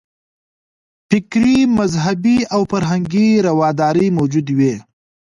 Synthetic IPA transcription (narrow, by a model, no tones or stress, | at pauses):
fɪkɾimazɦabiawfaɾɦaŋɡiɾawɑd̪ɑːɾəmawd͡ʒud̪we